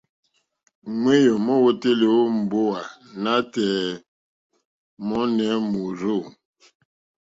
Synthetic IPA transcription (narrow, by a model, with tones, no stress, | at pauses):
ŋwe˦jɔ˨mɔ˦wo˦te˦le˨wo˦m̩˨bo˦wa˨na˦tɛː˨ | mɔ˦nɛ˨˦mo˨ɾo˦˨